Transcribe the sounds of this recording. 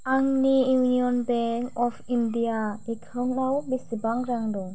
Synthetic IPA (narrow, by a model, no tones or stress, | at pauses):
aŋnijunijɔnbɛŋkɔpʰindiaikʰawnnawbisibaŋɾaŋdɔ